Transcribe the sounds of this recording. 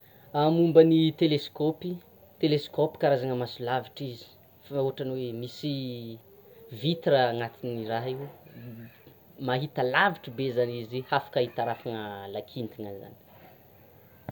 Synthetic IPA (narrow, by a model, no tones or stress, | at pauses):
amumbənit̪eleskopi | t̪eleskopi̥kaɾazaŋəmasulaviʈ͡ʂizi̥ | faoɦaʈ͡ʂaniwemisi | vit̪iɾəːŋat̪iniraɦiw | maɦit̪əlaviʈ͡ʂibezanizihafḁkaɦit̪aɾafaŋəlakʰint̪inaza̰ni̥